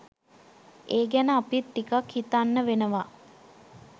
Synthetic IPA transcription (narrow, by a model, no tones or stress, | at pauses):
eːɡænəapit̪ːikakhit̪anːəʋenəʋa